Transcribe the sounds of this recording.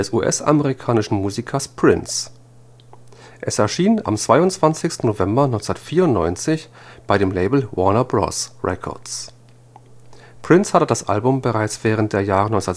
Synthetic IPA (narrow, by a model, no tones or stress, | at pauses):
ɛsʔṵːʔɛ̰sʔa̰məʁikʰaːnɪʃn̩muːzikʰɐspʁ̥ɪns | ʔɛsɛɐʃiːna̰mt͡sv̥aɪʊntt͡sv̥ant͡sɪçstn̩novɛmbɐnɔʏnt͡sndɐtfiːɐʊntnɔ̰ʏnt͡sɪç | b̥aɪɾeːmleɪbl̩wʔɔɐnɐbʁɔ̰sʁɛ̰kʰɔ̰ɐtt͡s | pʁ̥ɪnshatədasʔa̰lbʊmbəʁaɪt͡sv̥ɛːʁ̞ənt̚d̥eːɐjaːʁənɔʏnt͡ssndɐ